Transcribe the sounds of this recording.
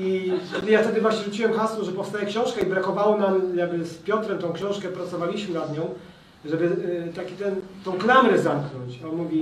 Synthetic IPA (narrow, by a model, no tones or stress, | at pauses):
ikʲɛd̪jaft̪ɛd̪ɘvwaɕɲɛʐut͡ɕiwɛmxaswɔʐɛpɔfst̪ajɛkɕɔ̃w̃ʂkɛibɾakɔvawɔnamjaɡbɘspʲjɔt̪ɾɛmt̪ɔ̃w̃kɕɔ̃w̃ʂkɛpɾat̪sɔvalʲiɕmɘnad̪ɲɔ̃w̃ | ʐɛbɘt̪akʲit̪ɛnt̪ɔ̃w̃klamɾɛzamknɔɲt͡ɕɔnmuvʲi